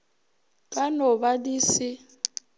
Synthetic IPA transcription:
kʼanɔβadiːsi

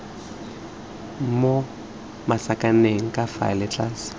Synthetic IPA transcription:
mo | masakʼaneŋ̩kʼafa̰lɛt͡ɬʰʼas

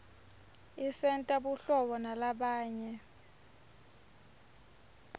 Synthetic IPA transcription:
isɛntʼaɓuɬɔɓɔnalaɓaːɲɛ

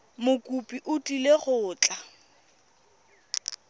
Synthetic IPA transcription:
mʊkʼupʼiʔʊtʼileχʊːt͡ɬʼa

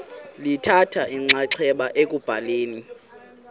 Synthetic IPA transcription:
litʰatʰaʔiŋ͡ǀaǀʰɛɓaʔek̬ʼub̥ʱaleːni

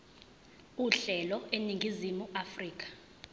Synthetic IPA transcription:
uɬɛlɔeniŋɡʱizimuʔafriːk̬ʼḁ

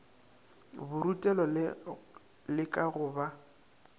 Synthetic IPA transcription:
bʊɾutʼɛlɔ | lɪkʼaɣʊːba

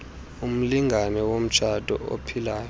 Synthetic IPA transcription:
um̩liŋɡʱanɛwom̩t͡ʃʰad̥ʱɔ̰ʔo̰pʰilaːjɔ

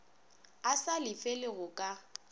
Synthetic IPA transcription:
asalɪfelɪɣʊkʼa

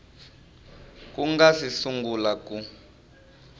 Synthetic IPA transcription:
kuŋɡasisuŋɡulaku

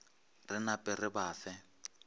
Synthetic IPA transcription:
rɪnapʼɪrɪbaːfɛ

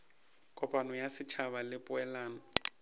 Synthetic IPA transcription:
kʼɔpʼanɔjasɪt͡ʃʰaβalɪpʼʊɛlaːnɔ

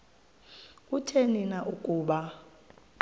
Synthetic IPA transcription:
kʼutʰeninaʔukʼuːɓa

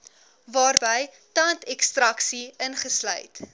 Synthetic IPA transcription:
vɑːrbəj | tɐntɛkstrɐksiənχəslœ̰jt

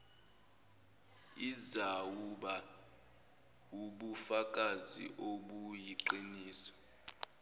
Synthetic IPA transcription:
izawuɓa | uɓufak̬ʼazḭʔoɓujiǀiniːsɔ̥

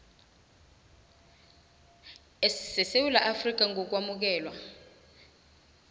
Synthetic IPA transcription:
essɛsewulaʔafrik̬aŋʱɔk̬wamuk̬ɛːlwa

